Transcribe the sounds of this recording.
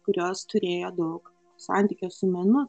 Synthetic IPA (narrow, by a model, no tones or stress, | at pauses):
kʊɾʲoːst̪ʊɾʲeːjoːd̪ɐʊk | sɑ̰ˑnʲt̪ʲiːkʲoːsʊmʲɛnʊ